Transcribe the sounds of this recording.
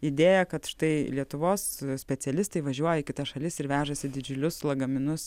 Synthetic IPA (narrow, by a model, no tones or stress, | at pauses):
ɪd̪ʲeːjɛkɐt̪ʃt̪ɐɪlʲiɛt̪ʊʋoːssʲpʲɛt͡s̪ʲɛlʲɪst̪ɐɪʋɐʒʲuɔjɛikʲɪt̪ɐʃɐlʲɪsɪɾʋʲæːʒɐsʲɪd̪ʲɪd͡ʒʲʊlʲʊslˠɐɡɐmʲɪnʊs